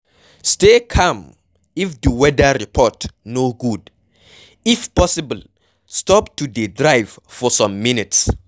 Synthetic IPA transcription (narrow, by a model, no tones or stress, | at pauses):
stekʰãm | ifduwɛdəɹipʰɔtnoɡud | ifpɔsibəl | stɔptudidɹajv̥fɔsãmːinits